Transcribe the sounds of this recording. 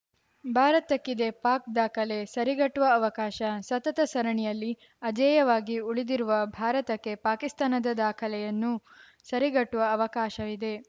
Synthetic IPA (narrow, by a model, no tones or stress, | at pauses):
bʱaːɾɐt̪ɐkːid̪e̞paːk̚d̪aːkʰɐlesɐɾiɡɐʈːuʋɐːʋɐkaːʃɐsɐt̪ɐt̪ɐsɐɾɐɳijɐlːi | ɐd͡ʒɐːjɐʋaːɡiuɭid̪iɾuʋɐbʱaːɾɐt̪ɐkːe̞paːkist̪aːnɐd̪ɐd̪aːkʰɐlɛjɐnːu | sɐɾiɡɐʈːuʋɐːʋɐkaːʃɐʋid̪e̞